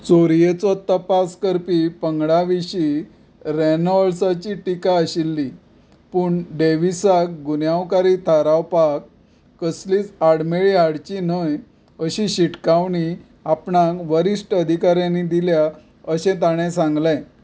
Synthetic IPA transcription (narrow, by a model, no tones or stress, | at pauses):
t͡soɾijət͡sɔt̪əpaskəɾpipəŋɡɽaʋiɕi | ɾɛnɔɭsat͡ɕiʈikaəɕilːi | puːɳɖeʋisakɡunjawkaɾit̪ʰaɾawpakː | əsliːt͡saɽmeɭiɦaɽt͡ɕinəj | əɕiɕiʈkaʋɳi | apɳãkʋəɾiʂʈəd̪ʱikaɾjãnid̪ilja | əɕẽt̪aɽ̃ẽsãŋɡlɛ̃